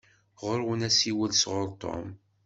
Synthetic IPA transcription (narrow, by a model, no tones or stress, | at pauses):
ʁəɾwənæsiwəlsʁʊɾt̪ˤːo̰m